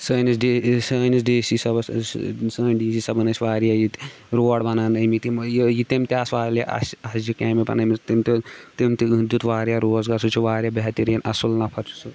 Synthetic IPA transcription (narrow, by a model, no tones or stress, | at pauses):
səːnisɖesəːnisɖeːsisɐbssəːnʲɖiːsisɐbɐnɐt͡ʃʰʲʋaːɾijajit̪ | ɾoːɽbɐnaːnɐmit̪imjijit̪emt̪iasʋaːljaʔɐ̰sɐsd͡ʒikeːmipɐ̰nɐmit̪imt̪et̪imt̪id̪ut̪ʋaːɾijaɾoːsɡasut͡ʃʰuʋaːɾʲijabeɦɐt̪iɾjɐnɐsulnapʰɐɾt͡ʃʰu̥su